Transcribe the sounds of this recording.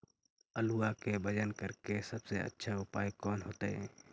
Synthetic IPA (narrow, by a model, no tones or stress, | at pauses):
əluakebʱəd͡ʒənkəɾkesəbseə̰tːʃʰaʊpa̰ːjkɔːnɦoːt̪eɦɛː